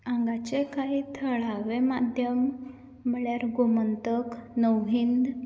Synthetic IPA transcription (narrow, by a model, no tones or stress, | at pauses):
ãŋɡat͡ɕekaɦiːt̪ʰəɭaʋemad̪ʱjəmː | əɭjaɾɡomənt̪əknəwɦind̪